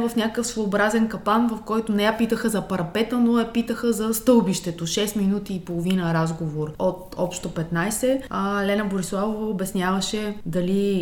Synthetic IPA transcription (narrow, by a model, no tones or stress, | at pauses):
vəfnʲakəkəfsvoːbɾazɛnkɐpanvɐfkɔjt̪onɛjapit̪əxəzɐpɐɾɐpɛt̪ənojɐpit̪əxəzɐst̪ɤlˠbiʃt̪ɛt̪oʃɛst̪minut̪iːpolˠovinəɾazɡovoɾot̪ɔpʃt̪opɛt̪najsɛəlɛnɐboɾislˠavovɐobɛsnʲjavəʃɛd̪ɐli